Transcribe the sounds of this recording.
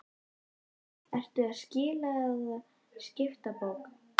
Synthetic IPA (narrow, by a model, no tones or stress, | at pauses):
ɛr̥t̪ʏaðscɪːlaɔɣa | scɪft̪apowk